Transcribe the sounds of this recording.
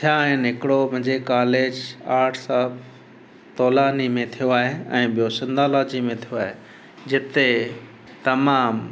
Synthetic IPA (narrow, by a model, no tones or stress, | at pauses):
t̪ʰijaːɦɪnɦɪkɪɽomʊ̃ɦɪ̃ɲd͡ʑekaːleːd͡ʑaːʈʰsaɦb | t̪ɔːlaːnimẽt̪ʰijoaːɦeɛ̃ːɓijosɪ̃nd̪aːlaːd͡ʑimẽt̪ʰijoaːɦe | d͡ʑɪt̪e | t̪ɐmaːm